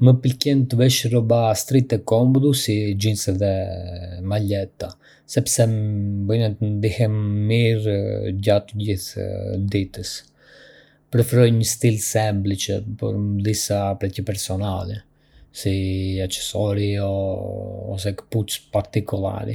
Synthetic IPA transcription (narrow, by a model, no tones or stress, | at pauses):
məpəlkɛnt̪əvɛʃrɔbast̪ɾit̪ɛkɔmbd̪usid͡ʒinsɛðɛ | malɛt̪a | sɛpsɛbənɛt̪ənd̪ihɛmːiɾɟat̪əɟiθd̪it̪əs | pɾɛfɛɾɔjɲəst̪ilsɛmblit͡ʃəpɔ̰ɾmd̪isapɾɛcəpɛɾsɔnalɛ | siat͡ʃɛ̥sɔɾiɔ | ɔ̰s̬ɛkə̥put͡spaɾt̪ikulˠa̰ɾḭ